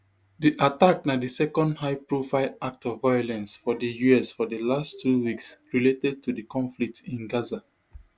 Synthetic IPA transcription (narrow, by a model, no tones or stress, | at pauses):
diʔatak̚nadisɛkɔ̃ndɦaɪpɹofaɪlak̚tɔvaɪjɔlɛ̃nsfɔdəjuɛsfɔdəlastʰːuwiksɹiletɛd̚tudəkɔ̃ɱflik̚tĩnɡaza